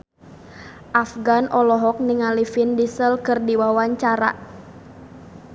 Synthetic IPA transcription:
ʔafɡanʔɔlɔɦɔk̚niŋalifindisəlkɨrdiwawaɲt͡ʃaɾa̰

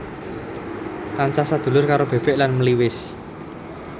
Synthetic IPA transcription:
pansasad̪̥ṳlʊrkaɾob̥e̤b̥ɛ̤ʔlanməliwɪs

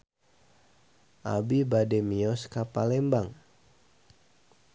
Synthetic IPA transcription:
ʔa̰bibadɛmiɔskapalɛmbaŋ

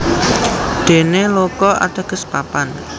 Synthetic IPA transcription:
d̪̥e̤nelokɔʔa̰t̪əɡ̥ə̤spapan

